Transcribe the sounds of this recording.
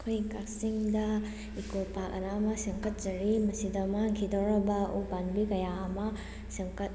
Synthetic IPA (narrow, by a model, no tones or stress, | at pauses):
kʰojkak̚siŋdɐ | ikolpak̚ɐ̰namɐseŋkɐt̚zɐɾimɐsidɐmaaŋkʰidɔɾɐbɐṵbanbikɐjaɐmɐ | seŋkɐt̚